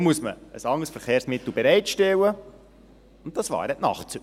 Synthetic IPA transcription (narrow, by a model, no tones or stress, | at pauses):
muəsmə̰əsɑŋəsfəɾχeːɾsmɪt̪l̩bɛɾɛɪtʃtɛwə | ʊnt̚tɑsvʋɑ̰ːɾɛtnɑ̰χtt͡s